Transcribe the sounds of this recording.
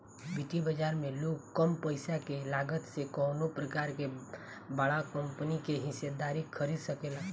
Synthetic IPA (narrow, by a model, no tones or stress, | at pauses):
biʈ̪ibəd͡ʒaːɾmẽloːɡkəmpəɪsakelaːɡət̪sekɔːnopɾəkaːɾke | bəɽakə̃mpənikeɦɪsed̪aːɾikʰəɾiːd̪səkeːla